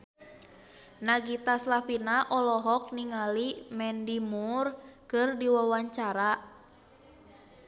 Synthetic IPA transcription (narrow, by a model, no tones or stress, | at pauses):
naɡit̪aslafinaʔɔlɔɦɔk̚niŋalimɛndimurkɨrdiwawaɲt͡ʃaɾa